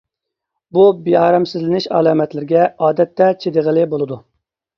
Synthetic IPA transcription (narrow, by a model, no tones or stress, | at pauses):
bubiɑːɾɑmsɪzlɪnɪʃɑ̰lˠɑːmɛt̪lɪɾɪɡʲɛɑːd̪ɛt̪ːɛt͡ʃʰed̪ɨʁəlˠɪbolˠɨd̪u